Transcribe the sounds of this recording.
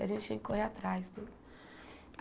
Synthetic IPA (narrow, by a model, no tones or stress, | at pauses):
a̰ʒẽnt͡ʃt̪ẽŋkʲkoɦeat̪ɾajsd̪u